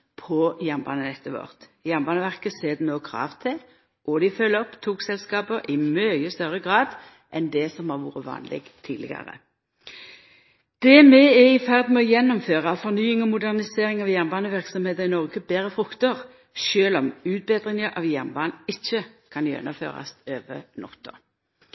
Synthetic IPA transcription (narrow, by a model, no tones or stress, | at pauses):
pʰɔjæʁnbɑ̰ːnənɛt̪ʰːəʋɔ̰ʁt̪jæʁnbɑːnəʋæʁkəseːd̪ɛnoːkʰʁɑ̰ːʋt̪ʰɛ | ʔɔd̪ɪfœlːɔpːt̪ʰuːksɛlskɑːbəʁʔɪmœɪəst̪œɾəɡʁɑːd̪ | ʔɛnd̪ɛsɔmhɑʁʋṵːɾəʋɑ̰ːnlɪ̰ɡt̪ʰḭːd̪lɪ̰ɡɑ̰ʁə̰ | d̪̥ɛmɛɛɪfæʁd̪n̩mɛɔjɛnːɔmføːʁɑfɔʁnyːɪŋɔmʊd̪æʁnɪseːʁɪŋɑʋjæʁnbɑːnəʋɪʁksɔmheːt̪əʁɪnɔʁɡəbeːʁəfʁʉkt̪əʁ | ʃøːlɔmʉːt̪̚beːd̪ʁɪŋəʔɑ̰ʋjæʁnbɑːnɪçːəkʰɑnjɛ̰nːɔmfø̰ːʁɑ̰st̪øːʋə̰nɔ̰t̪ːʊ̰